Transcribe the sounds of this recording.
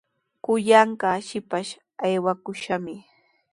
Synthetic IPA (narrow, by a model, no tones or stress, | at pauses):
kʊjaɴɢɑʃɪpaʃ | ajwakʊʃamɪ